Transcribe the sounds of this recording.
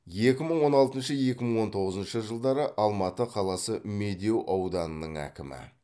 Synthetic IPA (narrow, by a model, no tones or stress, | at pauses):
je̞kʲɪməɴwo̞nɑlˠt̪ənʃəje̞kʲɪməɴwo̞nt̪ʰo̞ʁəzənʃəʒəlˠd̪ɑɾəʔɑlˠmɑt̪əqʰɑlˠɑsəme̞d̪e̞wʔɑwd̪ɑnənəɴæ̰kʲɪmɪ̰